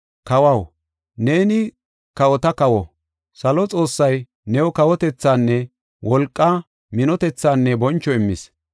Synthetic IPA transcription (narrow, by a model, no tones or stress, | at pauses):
kɐwɐw | ne̞ːnɪ | kɐwɔt̪ɐkɐwɔ̰ | sɐlɔt͡sʼo̞ːsːɐj | nɛwɔkɐwɔt̪ɛt͡sːaːnːɛ | wʔɔlkʼːɐ | mɪnɔt̪ɛt͡sːaːnːɛbɔnt͡ʃːɔɪmːɪ̰s